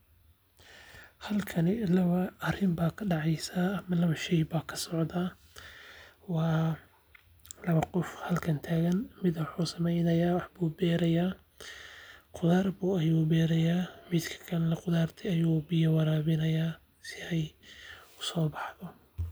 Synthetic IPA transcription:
hɐlkʰɐnɪlɐβɐɐrɪmbaːkʰɐɖɑʕɑjsaːɐmɐlɐβɐʃɛjbaːkʰɐ̥sɔʕðaː | wɑː | lɐβɐqɔfhɐlkʰɐnt̪ʰaːɣɐnmɪd̪wħuːsɐmɛjnɐjaːwɑħbuːbɛːɾɐjaː | qʊðaːrbuːɐjuːbɛːɾɐjaːmid̪kʰɐ̥kʰɐnlɐqʊðaːrt̪ʰɪɐjuːbɪjɐwɑɾaːβɪnɐjaː | sɪɛj | ʊsɔːbɑħðɔ

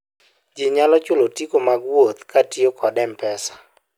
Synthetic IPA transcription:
d͡ʒiɲalɔt͡ʃʊlotikomaɡwot̪katiokʰɔdɛmpɛsḁ

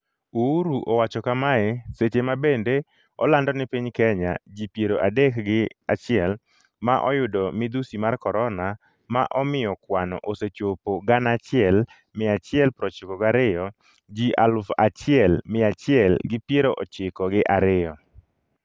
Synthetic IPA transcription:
uuɾuʔowat͡ʃɔkamaɛset͡ʃemabende | ɔlandɔnɪpiɲkɛɲa̰d͡ʒipjeɾoʔadekɡɪat͡ʃɪɛl | maʔɔjʊdɔmɪd̪usimarkɔɾɔna | ma̰ʔɔmɪjɔkwanɔ̰ʔoset͡ʃopoɡanat͡ʃɪɛl | mɪat͡ʃɪɛlpɾɔt͡ʃɪkɔɡaɾɪjɔ | d͡ʒiʔalʊfat͡ʃɪɛlmɪat͡ʃɪɛlɡɪpjeɾoʔɔt͡ʃɪkɔɡɪʔaɾɪɔ

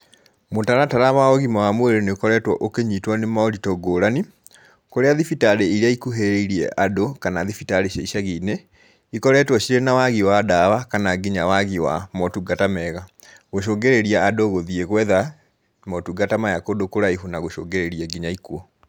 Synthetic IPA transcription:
motaɾataɾamaɔɣimawamweɾeneokɔɾɛtwɔʔokeɲitwɔnemaɔɾitɔɡoːɾani | koɾeaðifitaɾeiɾeaikuɦeɾeiɾiɛ̰ʔadokanaðifitaɾeɕaiʃaɣine | ikɔɾɛtwɔɕiɾenawaɣiwadawakanaɡiɲawaɣiwa̰mɔtuɡatamɛɣa | ɣoʃoːɡeɾeɾiaadoɣoðieɣwɛða | mɔtuɡatamajakodokoɾaihunaɣoʃo̰ːŋɡeɾeɾiɛɡiɲaikuo

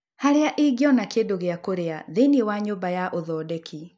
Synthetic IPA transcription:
haɾeaʔiɡjɔnakendoɣeakoɾeaðenewaɲoːbajaʔoðɔdekʰi

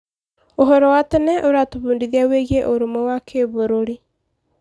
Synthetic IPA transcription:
oɦɔɾɔwatɛnɛʔoɾatoβuːndiðiaweɣieʔoɾomɛwakʰeβoɾoɾi

